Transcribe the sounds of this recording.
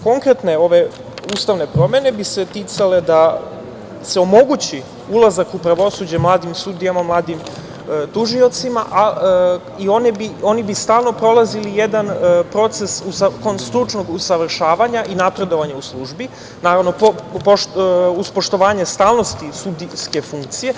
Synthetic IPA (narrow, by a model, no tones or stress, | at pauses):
ko̞ŋkɾe̞t̪ne̞o̞ʋe̞ | ust̪aʋne̞pɾo̞me̞ne̞bise̞t̪iːt̪sale̞d̪a | se̞o̞mo̞ɡut͡ɕi | ulˠazakupɾaʋo̞sud͡ʑemlˠaːd̪imsud̪ijamamlˠaːd̪im | t̪uʒio̞t̪sima̰ʔa | io̞nibio̞nibist̪aːlˠno̞pɾo̞lˠazilijed̪anpɾo̞t̪se̞susakonst̪ɾut͡ʂno̞ɡusaʋr̩ʃaːʋaɲaʔinapɾe̞d̪o̞ʋaɲauslˠuʒbi | naːɾaʋno̞popouspo̞ʃt̪o̞ʋaːɲe̞st̪aːlˠno̞st̪isud̪iske̞fuŋk̚t̪sije̞